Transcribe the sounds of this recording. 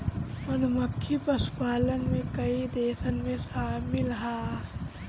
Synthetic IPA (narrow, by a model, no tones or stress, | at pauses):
mənməkʰːipəsu̥paːlənmẽkəid̪eːsənmẽsaːmɪlɦaː